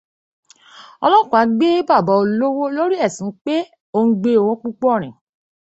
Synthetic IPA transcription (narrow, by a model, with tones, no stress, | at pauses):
ɔ˧lɔ̃˦˨kũ˨a˨˦ɡ͡be˦ba˦˨ba˨˦o˧lo˦wo˦lo˦ɾi˦ɛ˦˨sĩ˨˦k͡pe˦ | o˧ŋ̩˦ɡ͡be˧o˧wɔ̃˨˧k͡pu˦k͡pɔ˦˨ɾ̃ɛ̃˨